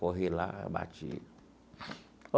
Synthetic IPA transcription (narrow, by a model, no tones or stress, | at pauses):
ɔɦela̰ba̰t͡ʃḭ